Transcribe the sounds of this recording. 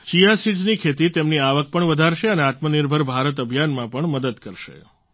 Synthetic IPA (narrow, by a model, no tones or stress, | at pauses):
t͡ʃijasiʈznikʰet̪it̪emniaʋək̚pəɳʋəd̪ʱaɾʃeəneat̪məniɾbʱəɾbʱaɾət̪̬əbʱjanmãpəɳməd̪əd̪kəɾʃḛ